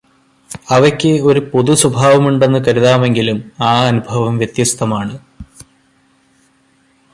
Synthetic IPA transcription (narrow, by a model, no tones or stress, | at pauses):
ɐʋɐkʲːɨo̞ɾupo̞ðusubʱaːʋɐmuɳɖe̞nːɨkɐɾuðaːme̞ŋɡilumaːɐnubʱɐʋɐmʋjɐt̪jɐst̪ʰɐmaːɳɨ